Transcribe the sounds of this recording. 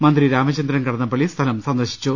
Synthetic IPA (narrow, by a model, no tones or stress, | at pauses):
mɐnd̪ɾiɾaːmɐt͡ɕɐnd̪ɾɐnkɐɽɐnːɐpːɐɭist̪ʰɐlɐmsɐnd̪ɐɕi̥t͡ɕːu